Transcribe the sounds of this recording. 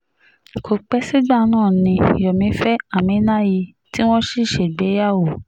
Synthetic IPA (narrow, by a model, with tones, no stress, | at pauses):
kʰo˨k͡pɛ˦si˦ɡ͡ba˦˨nãː˦˨nĩ˧jɔ˨mĩ˨˧˦fɛ˦a˦˨mĩ˨˦nã˦ji˧ | ti˦w̃ɔ̃˦ʃi˦˨ʃe˨ɡ͡bɛ˨˦ja˦˨wo˨